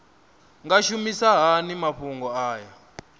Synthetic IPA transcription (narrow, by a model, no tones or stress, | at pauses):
ŋɡaʃumisaɦanimaɸuŋɡɔaːja